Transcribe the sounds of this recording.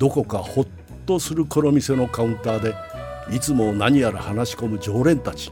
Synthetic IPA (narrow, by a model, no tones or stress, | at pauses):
d̪̥o̞ko̞kaho̞t̪ːo̞sɨɾɯ̟koɾo̞mʲise̞no̞kaɯ̟̃nt̪aːd̪e̞ | it͡sɨmo̞naɲ̟iaɾahanaɕi̥ko̞mɯ̟d͡ʑo̞ːɾẽ̞nt̪at͡ɕi̥